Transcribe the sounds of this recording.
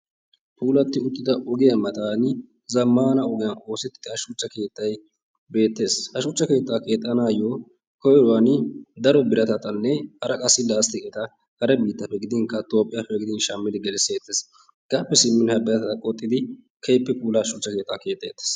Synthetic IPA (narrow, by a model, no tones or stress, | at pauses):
pʰuːlɐt̪ːɪʊt̪ʼːɪd̪ɐʔɔɡɪjɐmɐt̪aːnɪ | zɐmːaːnɐɔɡɪjɐno̞ːsɛt̪ːɪ̥d̪ɪhɐʃut͡ʃːɐke̞ːt̪ʰːɐj | be̞ːt̪ːe̞ːshɐʃuːt͡ʃːɐke̞ːt̪ʼːake̞ːt̪ʼːɐnaːjɔ | kɔjɛɾʊwand̪ɐɾɔbɪɾɐt̪ɐt̪ɐnːɛhɐɾɐkʼɐsːɪlaːst̪ɪɛt̪ɐ | kɐɾɛbiːt̪ːɐfːɛɡɪd̪ɪnkɐt̪o̞ːpʼːɪjɐfɛɡɪd̪ɪnʃɐmːɪd̪ɪɡɛlɛseːt̪ʰːeːs | ɡ̥aːpːɛsɪmːɪnhɐbɐjɐt̪ɐt̪ɐkʼɔt̪ʼːɪd̪ɪ | kʰɐjpːɛpuːlɐʃuːt͡ʃːɐke̞ːt̪ːake̞ːt̪ːɐjɛt̪ːe̥ːs